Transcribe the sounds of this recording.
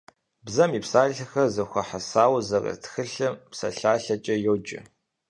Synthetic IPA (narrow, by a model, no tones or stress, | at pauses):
bzɐmipsaːɮɐxɐzɐxʷɐħasaːwzɐrɐ̰tʰxɨɬɨmpsɐ̰ɬaːɬɐt͡ʃʼɐjowd͡ʒɪ̰